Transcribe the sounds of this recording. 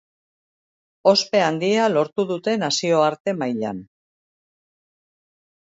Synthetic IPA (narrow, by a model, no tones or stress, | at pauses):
o̞spe̞and̪iealo̞ɾt̪uðut̪e̞nasio̞aɾt̪e̞majʎa̰n